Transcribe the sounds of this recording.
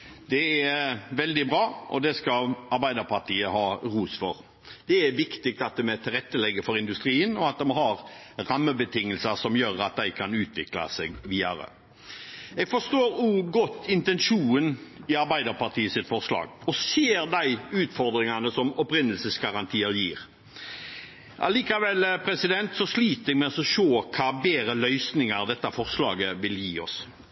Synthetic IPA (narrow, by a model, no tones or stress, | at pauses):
d̪̥ɛæʋɛld̪ɪbʁɑːʔɔ̰d̪ɛskɑlɑɾbæɪd̪əɾpʰɑt̪ʰiːəɦɑːʁuːsfɔɾ | d̪̥ɛæʋɪkt̪ɪk̚t̪ɑt̪̚d̪ɛmɛt̪ʰɪlʁɛt̪ːəlɛɡːəfɔɾɪnd̪ʉst̪ɾiːənɔɑt̪̚d̪ɛmɛhɑɾɾɑmːəbət̪ʰɪŋːəlsəsɔmjøːɾɑt̪̚d̪æɪkʰɑnʉːt̪ʰʋɪklɑ̰sɛɡʋiːɑɾə̰ | ɛːɡfɔʂt̪oːɾʉːɡɔt̪ːɪnt̪ɛnʂuːnɪɑɾbæɪd̪əɾpɑt̪ʰiːəsɪt̪fɔʁslɑ̰ːɡɔseːɾd̪æɪʉːt̪fɔɾd̪ɾɪŋɑnəsɔmɔpɾɪnːəlsəsɡɑɾɑnt̪ʰiːəɾjiːʁ | ʔɑ̰liːkɑʋɛlpʰɾɛsɪd̪ɛnt̪sɔsliːt̪əɛɡmɛɔsɔʃoːkʰɑːbeːɾəlœʏsnɪŋəɾd̪ɛt̪ːəfɔʁslɑ̰ːɡəʋɪljiːɔs